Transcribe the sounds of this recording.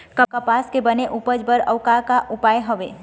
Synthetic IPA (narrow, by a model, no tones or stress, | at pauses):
kəkəpaːskebəneʔupəd͡ʒbəɾɐʋkakaʔʊpaːjɦəʋḛː